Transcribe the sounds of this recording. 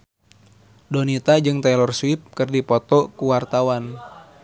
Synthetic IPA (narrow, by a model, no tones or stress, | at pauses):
dɔnit̪ad͡ʒɨŋt̪ɛlɔrswip̚kɨrdipɔt̪ɔkuwart̪awan